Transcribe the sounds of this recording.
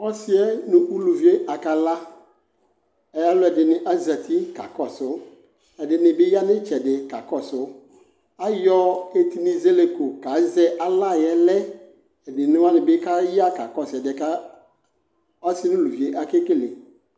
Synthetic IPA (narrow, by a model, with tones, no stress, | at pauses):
ɔ˦sɪ˦ɛ˦nʊ̃˦ʔu˦lu˨vi˨˦e˦ʔa˨ka˨la˦ | ɛ˨ja˦lʊ˦ɛ˨dɪ˨nɪ̃˨ʔa˦zɛ˨tʰi˦ka̰˨kɔ˨sʊ˦ | ɛ˨dɪ˨nɪ̃˨bɪ˦ja˦nɪ̃˦t͡ʃɛ˨dɪ˨ka˨kɔ˦˨sʊ˨˦ | a˦jɔ˦e˨ti˦nĩ˨ze˦le˨ko˨ka˨˦zɛ˦ʔa˨la˦˨jɛ˦lɛ˦ | ɛ˨dɪ˨nʊ̃˦wa˦nɪ˨bɪ˦ka˦ji˦a˦ka˨kɔ˦˨sɛ˨dɪ˨ɛ˨ka˦ | ɔ˦snʊ̃˦lu˨vi˨e˦ʔa˨ke˦kɪ˦le˨